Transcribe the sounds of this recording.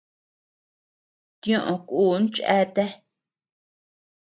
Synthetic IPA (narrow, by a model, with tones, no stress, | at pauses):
t̪jõ˦ʔõ˨kuː˦˨n˦t͡ʃʔḛ˦t̪e˦